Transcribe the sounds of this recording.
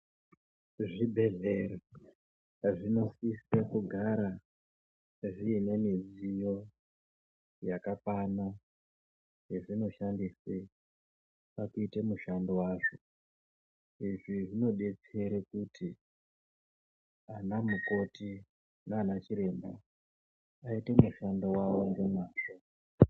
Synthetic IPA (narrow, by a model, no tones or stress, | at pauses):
ʐibʱe̞ɮere | ʐino̞sisekuɡʱaɾa | ʐiːnemizijo̞ | jakakana | jeʐino̞ʃandise | pakuitemuʃandowaːʐo̞ | iʐiʐino̞ɗe̞t͡se̞ɾekutʰi | anamuko̞ti | naːnat͡ʃiɾe̞ːmba | aite̞muʃandowawo̞ŋɡe̞maːʂo